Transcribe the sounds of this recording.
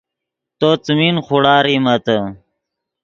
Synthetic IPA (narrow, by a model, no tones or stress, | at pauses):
t̪ot͡sminχuɽaːɾimɐt̪ə